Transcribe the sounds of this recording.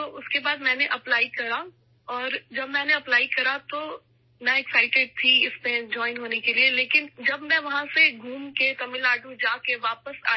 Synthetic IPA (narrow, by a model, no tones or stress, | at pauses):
t̪t̪oːʔʊskebaːd̪mɛ̃ːneʔɐplaːikɐɾa | ɔːɾd͡ʒɐbmɛ̃ːneɐplaːikɐɾat̪o | nɛ̃ɛksaɪʈeɖ̚t̪ʰiɪsmẽd͡ʒɔːɪnɦoːnekelieleːkɪnd͡ʒɐbmɛ̃ʋɐɦãseɡʱuːmket̪ɐmɪlaːɖũd͡ʒaːkeʋaːpəsa̰ː